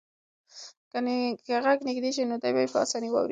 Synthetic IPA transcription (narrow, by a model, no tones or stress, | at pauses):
kankaɣaɡnɪɡd̪eʒinod̪ajbajpəa̰sɑniwa̰wɾi